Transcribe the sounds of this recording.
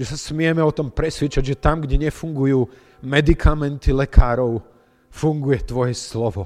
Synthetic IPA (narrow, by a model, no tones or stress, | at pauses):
ʒɛsasmɪɛmɛɔt̪ɔmpɾɛsʋɪɛt͡ʃaɟʒɛt̪amɡɟɛɲɛfuŋɡujuː | mɛd̪ikʰamɛnt̪ilɛkʰaːɾɔʊ | fuŋɡujɛt̪ʋɔjɛslɔʋɔ